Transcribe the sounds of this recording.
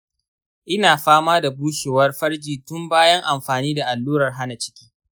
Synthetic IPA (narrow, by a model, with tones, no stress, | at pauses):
ʔɪ˦naː˨ɸaː˦maː˦da˨buː˦ʃe˨wɐ˦rɸɐ˦ɽd͡ʒiː˨tʊ˦mbaː˦jɐ˦ŋʔa˨mɸaː˨niː˦da˨ʔa˨lːuː˦ɾɐ˨rɦa˦na˨t͡ʃɪ̥˦kʲiː˦